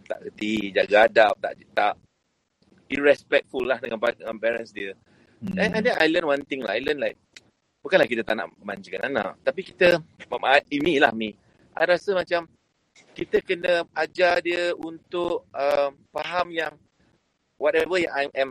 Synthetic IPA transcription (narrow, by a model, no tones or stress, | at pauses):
t̪a̰ʔɡət̪id͡ʒaɡaadap̚t̪a̰ʔt̪aʔ | iɹɛspɛk̚fulːahdəŋanpadəŋanpɛɾənsdiə | anãndɛna̰jlənwant̪ɪŋla̰hajlənlajk̚ | b̥ukanlahkit̪ət̪aʔna̰ʔəma̰ɲd͡ʒikanana̰ʔ̚t̪apikit̪əməaimila̰hmi | ʔa̰jɾasəmat͡ʃam | kit̪əkənə̃ad͡ʒadiəunt̪ʊʔəmpaɦamjaŋ | wɔtɛvəʔaɛ̃m